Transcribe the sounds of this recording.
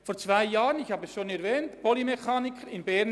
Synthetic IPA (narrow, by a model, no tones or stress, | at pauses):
foːɾt͡sv̥aɪjaːʁənɪçhaːbəɛsʃoːnɛɾvɛːntpolimexaːnɪkʰəɾɪnbɛn